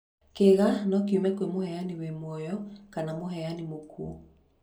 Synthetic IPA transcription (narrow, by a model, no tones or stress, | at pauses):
keɣanɔk̬iumɛkoemohɛjaniwemwɔjɔkanamoɦɛjanimokṵː